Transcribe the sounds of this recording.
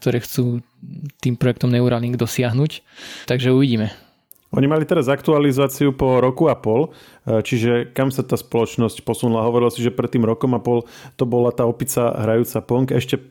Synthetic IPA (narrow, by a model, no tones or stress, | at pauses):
k̚t̪ɔɾɛːxt͡suː | t̪iːmpɾɔjɛkt̪ɔmnɛuɾaːliŋɡd̪ɔsɪaɦnuːc | t̪aɡʒɛuʋiɟiːmɛ | ɔɲimalit̪ɛɾazakt̪ualizaːt͡siupɔɾɔkuapɔl | t͡ʃiʒɛkamsat̪aːspɔlɔt͡ʃnɔscpɔsunulaɦɔʋɔɾilasiʒɛpɾɛt̪ːiːmɾɔkɔmapɔlt̪ɔbɔlat̪aːɔpit͡saɦɾajuːt͡sapɔŋkɛʃcɛ